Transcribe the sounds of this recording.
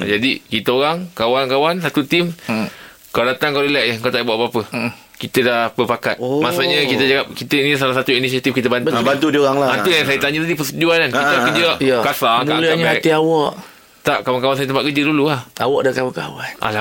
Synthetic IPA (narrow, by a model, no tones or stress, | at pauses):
d͡ʒadikit̪əoɾaŋkawankawansat̪ut̪im | kaadat̪aŋkawdəlɛʔjəkat̪aʔbuabaapə | kit̪ədahbəpakat̪masuʔɲə̃kit̪əd͡ʒawap̚kit̪ənis̬alahsat̪uinisiat̪ifkit̪əbanbant̪udioɣaŋlaanujjansajət̪aɲət̪adipəst̪ud͡ʒuanankit̪akəd͡ʒəaʔjakasaŋmaləaɲək̪iawɔʔ | t̪aʔkawankawans̬ajət̪əmpaʔkəd͡ʒəduluahawɔʔdakawaka̰wanʔa̰la